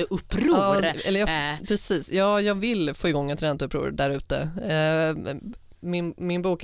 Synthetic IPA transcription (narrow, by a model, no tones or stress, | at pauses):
ʔɵpːɾuːɛlːəɾjɑpʰɾɛsiːsjɑːjɑːvɪlfoːɪɡɔŋːɛt̪ɾɛnt̪əɵpːɾṵːɾɖæɾʉ̟ːt̪ə̰ | mɪnmɪnbuːk